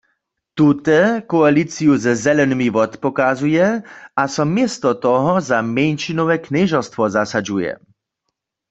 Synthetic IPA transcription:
t̪ut̪ɛkɔalit͡sijuzzɛlɛnimiʋɔt̪pɔkazujɛasɔmjɛst̪ɔt̪ɔɦɔzamɛnʃinɔwɛknɛʒɔst̪ʋɔzasad͡ʒujɛ̰

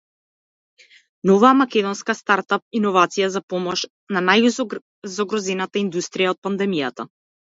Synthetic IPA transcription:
nɔvaamakʲɛd̪ɔnskast̪aɾt̪ap̚inɔvat̪sijazapɔmɔʃ | nanaju | zɔɡɾɔzɛnat̪aind̪ust̪ɾijaɔt̪̚pand̪ɛmijat̪a

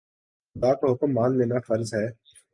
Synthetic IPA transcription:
ʊd̪aːkoɦʊkəmːaːnleːnafɐɾzɦɛː

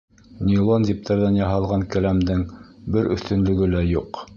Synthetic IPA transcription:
nʲilˠonzʲip̚t̪ʰɑɾðænjɑɦɑlˠʁɑŋkæ̆læmd̪ɘŋbɘɾɵ̰̆θt̪ɵ̆nlɵ̆ɡɘlæjuq

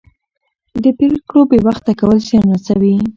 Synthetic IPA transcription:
d̪əpekɽobewaxt̪akawəlsianasawi

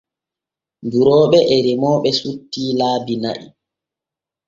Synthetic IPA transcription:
buɾɔːɓɛʔɛɾimɔːɓɛsutːiːlaːbina̰ʔḭ

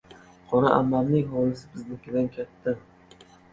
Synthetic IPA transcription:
qʰɒnaʔa̰mːamnɪŋhɒlɪsɪ̥bɪznɪkʲɪd̪ankʲʰat̪ʰːa

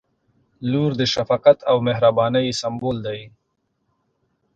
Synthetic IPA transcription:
luɾd̪əʃafaːqat̪awmeɦɾabɑːnəjsamboːld̪aj

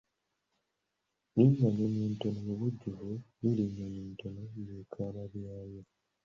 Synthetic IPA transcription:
liɲaɲoniːntonojoβuɟːuvuliliɲːaɲiːntonojekʰaːβaβjaːjo

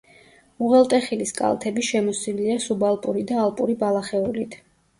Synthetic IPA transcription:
uʁɛlˠt̪ʼɛχiliskʼa̰lˠt̪ʰɛbiʃɛmɔsiliasubalˠpʼuɾid̪aːlˠpʼuɾibalˠaχɛulit̪ʰ

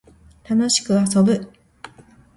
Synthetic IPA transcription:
t̪ano̞ɕi̥kɯ̟asobɯ̟

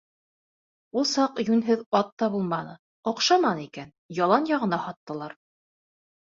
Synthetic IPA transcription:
ulˠsɑqjʉnɦɘðɑt̪ːɑbulˠmɑnɤ | ŏqʃɑmɑnikæn | jɑlˠɑnjɑʁɤ̆nɑhɑt̪ːɤ̆lˠɑɾ

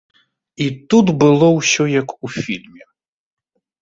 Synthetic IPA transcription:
it̪ut̪bɪlˠɔwsʲɔjɐkufʲilʲmʲi

